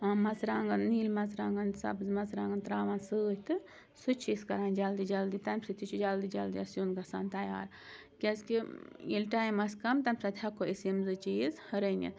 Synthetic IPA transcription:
amɐzɾaːŋɡɐnːiːlmɐzɾaːŋɡɐnsɐ̰bzmɐzɾaːŋɡɐnt̪ɾaːʋansɨːt̪ɨ | sut͡ʃʰiskɐɾaːnd͡ʒald̪id͡ʒɐld̪it̪amsɨt̪ʰit͡ʃʰud͡ʒald̪id͡ʒɐld̪iɐsjonɡɐsaːnt̪ɐja̰ːɾ | kʲɐskielʈaːjmɐsʲkɐmt̪ɐmsɐt̪ʰʲhɐkːoesemzɨt͡ʃiːzhɐɾənḭn

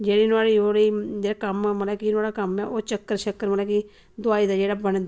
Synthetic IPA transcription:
d͡ʒeːɽiːnʊaːɽiːoːɽiːd͡ʒeːɽaːkəmməlɛːkinʊaːɽaːkəmɛːʔoːt͡ʃəkːəɾt͡ʃəkːəɾməlɛːki | d̪ʊaːiːd̪aːd͡ʒeːɽaːbəɳd̪a

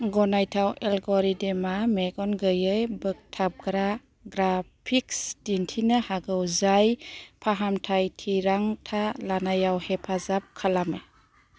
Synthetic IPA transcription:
ɡɔnajtʰawelɡɔɾidemameɡɔnɡɯjɯjbɯk̚tʰap̚ɡɾa | ɡɾapʰiksdintʰinɯhaɡɯwzajpʰaɦamtʰajtʰiɾaŋtʰalanajawhepʰazap̚kʰalame

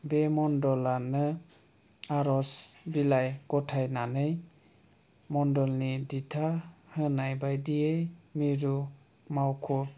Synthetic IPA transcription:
bemɔndɔlanɯ | aɾɔsbilajɡɔtʰajnanɯj | mɔndɔlniditʰahɯnajbajdijejmiɾu | mawkʰɔ

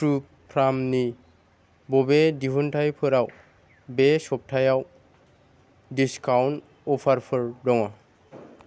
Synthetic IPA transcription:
tɾu | pʰɾamni | bobediɦunʈʰajpʰoɾaw | beʃɔp̚ʈʰajaw | ɖiskawn | opʰaɾfʰɔɾɖɔŋa

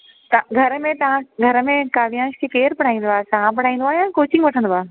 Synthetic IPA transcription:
t̪ɡʱɐɾəmẽt̪ɐʋ̤ãɡʱɐɾə̆mẽkaːʋijãːʃkʰekeːɾpɐɽ̤aːĩːn̆d̪oaːɦesaãpɐɽ̤aːĩːn̆d̪oaːɦjãɛ̃koːt͡ɕɪ̃ŋɡʋɐʈʰə̃n̆d̪oaːɦe

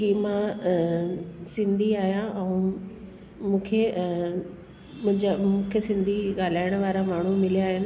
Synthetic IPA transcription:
kimã | sɪ̃nd̪ʱiaːɦijãʔɛ̃ũ | mũːkʰe | mʊ̃ɪ̃ɲd͡ʑamũːkʰesɪ̃nd̪ʱiɠaːl̤aːɪɽ̃ʋaːɾamaːɳ̤umɪlijaːɦɪnɪ̆

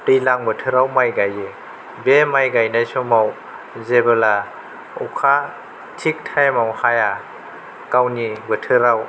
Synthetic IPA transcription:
pilaŋbɯtʰɯɾawmajɡaje | bemajɡajnajsɔmaw | zebɯla | ṵkʰa | tʰik̚tʰajmawhaja | kawnibɯtʰɯɾaw

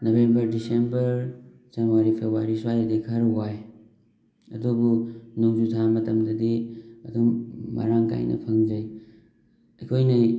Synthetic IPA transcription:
nobembɐɾdisembɐɾ | zanwaɾipʰebwaɾiswajadikʰaɾuwaj | ɐdubunuŋzutʰamɐtɐmdɐdiɐdumːa̰ɾaŋka̰jnɐ̰pʰɐŋzɐj | ɐkʰojnɐ

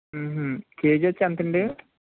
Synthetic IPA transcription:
ɦkeːd͡ʒɐt͡ʃːiɐnt̪ɐɳɖi

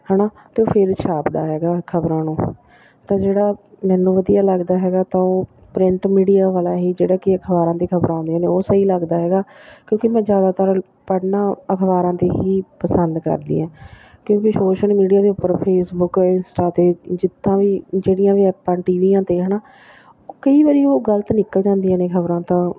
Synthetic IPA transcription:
ɦɛːnaː | t̪eːoːpʰɪɾt͡ʃʰaːpd̪a̰ːɦɛːɡaːkʰəbɾãːnũː | t̪ãːd͡ʒeːɽaː | mɛ̃ːnːũːʋəd̪ijaːləɡd̪aːɦɛːɡaːt̪ãːoː | pɾɪɳʈmiːɽijaːʋaːlaːɦiːd͡ʒeːɽaːkɪəkʰbaːɾãːt̪eːkʰəbɾãːnd̪eãːneːoːsəiːləɡd̪aːɦɛːɡaːkjõːkimɛ̃ːd͡ʒjaːd̪aːt̪əɾ | pəɽnãːəkʰʋaːɾãːt̪eːɦiːpəsənd̪kə̰ɾd̪ḭːɛ̃ː | kjõːkisoːʃəlmiːɖijaːd̪eːʊpːəɾpʰeːsbʊkɪnsʈaːt̪eːd͡ʒɪt̪ʰːãːʋiːd͡ʒeːɽijãːʋiːɛːpãːʈiːʋiːãːt̪eːɦəːnaː | oːkəiːʋaːɾiːoːɡəlt̪nɪkəld͡ʒãːnd̪ijãːneːkʰəbɾãːt̪ãː

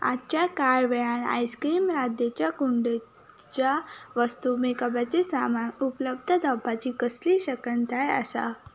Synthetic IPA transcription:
a̰t͡ɕjakaɾʋɛɭãna̰jskɾiːmɾad̪jet͡ɕjakuɳɖ | t͡ɕaʋəst̪umekəbat͡sesamaupələbd̪ʱəd̪ʱəbʱːat͡ɕiːkəsliɕəkəɳt̪ajə̰sa̰

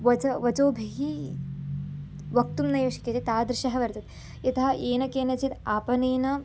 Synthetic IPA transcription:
ʋɐt͡ʃɐʋɐt͡ʃoːbʱiɦi | ʋɐk̚t̪umnɐjoːʂɐ̥ket̪it̪aːd̪ɾɪʃɐɦɐʋɐɾt̪ɐt̪ | it̪ɐɦɐʔeːnɐkeːnɐt͡ʃit̪aːpɐneːnɐ

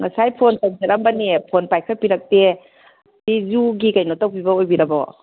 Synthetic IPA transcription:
ŋasajpʰontansʰiɾambanepʰonpajkʰapiɾak̚te | dizuɡikajnɔtawpibaojbiɾabɔ̰

